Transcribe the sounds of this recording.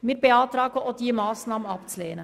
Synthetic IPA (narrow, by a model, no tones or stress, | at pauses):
miːbeɑːtɾɑːɡəʔod̥iːmɑːsnɑːmənɑpt͡suleːnə